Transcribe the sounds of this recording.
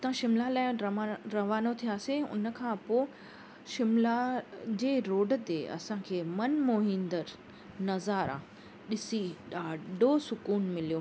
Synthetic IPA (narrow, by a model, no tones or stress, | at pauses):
t̪ãʃɪmlalaːɪɾɐɾɐʋaːnot̪ʰijaːseʊ̰nə̆kʰãːpoː | ʃɪmlad͡ʑeːɾoːɖət̪eɐ̰sãkʰeːmɐnmoːɦɪ̃nd̪əɾ | nɐzaːɾã̰ | ɗɪsiɗaːɖʱosʊkuːnmɪlijoː